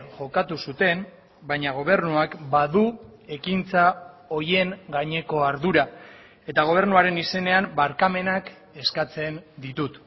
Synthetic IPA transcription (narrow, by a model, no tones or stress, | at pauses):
ʝo̞kat̪usut̪e̞m | bajɲaɣ̞o̞β̞e̞ɾnuakbaðue̞kint͡sao̞je̞ŋɡaɲe̞ko̞aɾðuɾa | e̞t̪aɣ̞o̞β̞e̞ɾnuaɾe̞nise̞ne̞ambaɾkame̞nak | e̞skat͡se̞nd̪it̪ut̪